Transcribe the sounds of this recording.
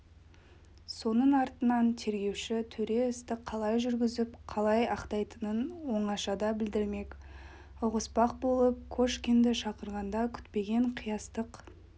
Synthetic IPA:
so̞nəɴɑɾt̪ənɑnt̪ʰe̞ɾɡʲe̞wʃɪt̪ʰɵɾe̞ʏst̪ɪqʰːɑlˠɑjʒʏɾɡʲɪzɪp̚qʰɑlˠɑjɑqt̪ɑjt̪ənənwo̞ɴɑʃɑd̪ɑbɪld̪ɪɾme̞k | ʊʁəspɑq̚bo̞lˠəp̚kʰoʃkʲind̪ɪʃɑqəɾʁɑnd̪ɑkʲʰʏ̥t̪pe̞ɡʲe̞ɴqʰijɑst̪əq

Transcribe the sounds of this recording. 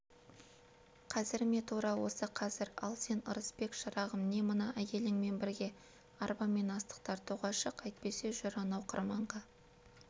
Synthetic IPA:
qʰɑzɪɾme̞t̪ʰuɾɑwo̞̰səqʰɑzɪɾɑ̰lˠse̞nəɾəspe̞kʃɑɾɑʁəmne̞mənɑʔækʲe̞lɪŋme̞nbɪɾɡʲe̞ | ɑɾbɑme̞nɑst̪ə̥qt̪ɑɾt̪ʰuʁɑʃəqɑjt̪̚pe̞se̞ʒʊɾɑnɑwqʰə̰ɾmɑɴʁɑ

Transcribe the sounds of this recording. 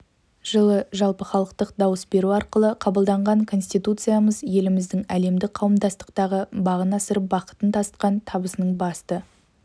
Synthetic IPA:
ʒ̥əlˠəʒɑlˠpəχɑlˠəq̚t̪əqd̪ɑwəsbe̞ɾuɑɾqəlˠəqʰɑbəlˠd̪ɑɴʁɑŋkʰo̞nsʲt̪ijt̪ut̪sɨjaməzje̞lɪmɪzd̪ɪŋæle̞md̪ɪk̚qʰɑwəmd̪ɑst̪ə̥qt̪ɑʁəbɑʁənɑsəɾəp̚bɑqə̥t̪ənt̪ʰɑst̪̚qɑnt̪ʰɑbəsənəɴbɑst̪ə

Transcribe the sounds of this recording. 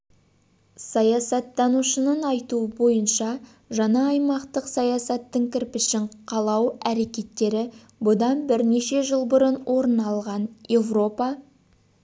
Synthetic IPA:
sɑjɑsɑt̪ːɑnuʃənənɑjt̪uəbo̞jənʃɑ | ʒɑnɑːjmɑqt̪əqsɑjɑsɑt̪ːəŋkʲʰɪɾpɪʃɪɴqʰɑlˠɑwæɾe̞kʲe̞t̪ːe̞ɾɪ | bʊd̪ɑnbɪɾne̞ʃe̞ʒəlˠbʊɾənwʔo̞ɾənɑlˠʁɑnje̞vro̞pɑ

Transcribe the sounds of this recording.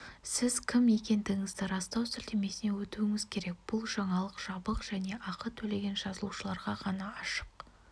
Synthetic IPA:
sɪzkʲʰɪme̞kʲe̞nd̪ɪɡʲɪŋɪzd̪ɪɾɑst̪ɑwsʏlt̪eme̞sɪne̞wɵt̪uɪŋɪzkʲʰe̞ɾe̞k̚b̥ʊlˠʒɑɴɑlˠəqʒ̥ɑbəqʒ̥æne̞ʔɑqət̪ʰɵle̞ɡʲe̞nʒɑzəlˠuʃəlˠɑɾʁɑʁɑnɑɑʃəq

